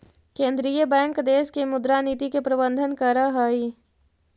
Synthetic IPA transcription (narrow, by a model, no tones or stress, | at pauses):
kẽːnd̪ɾijəbɛ̃ːŋkd̪eːskemʊd̪ɾaniːt̪ikepɾəbə̃nd̪ʱənkəɾaɦai